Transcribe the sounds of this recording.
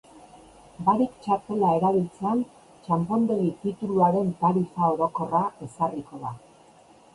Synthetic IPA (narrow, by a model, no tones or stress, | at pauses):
baɾikt͡ʃaɾt̪e̞lae̞ɾaβ̞ilt͡se̞an | t͡ʃampo̞nd̪e̞ɣit̪it̪uluaɾe̞nt̪aɾifao̞ɾo̞ko̞rae̞sariko̞ða